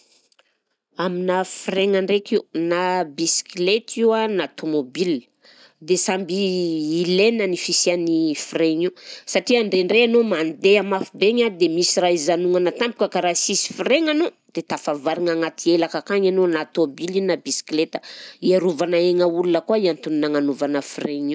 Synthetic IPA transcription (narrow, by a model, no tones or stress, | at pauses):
aminafireŋaɳɖ͡ʐekiunabisi̥klet̪ʰiwanat̪ʰomobil | d̪esambiːlenənifisianifireɲisaʈ͡ʂiaɳɖ͡ʐeɳɖ͡ʐeanomand̪eamafibeɲad̪emisiɾaizanuŋanat̪ampu̥kəkaɾasisi̥fiɾeŋano | d̪̥et̪afavaɾiŋaŋat̪ielakakaɲanonat̪obilinabisi̥klet̪ə̥iaɾuvanaeŋəulunəkuaiant̪uninaŋanuvanəfreɲi